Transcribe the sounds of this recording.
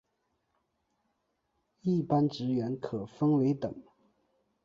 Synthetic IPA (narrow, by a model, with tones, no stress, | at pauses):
i˥˩pa˥nʈ͡ʂɻ̩˧˥ɥɛ˧˥nkʰɤ˨˩fə˥ŋwe˧˥ɪt̪ɤ˨˩˦ŋ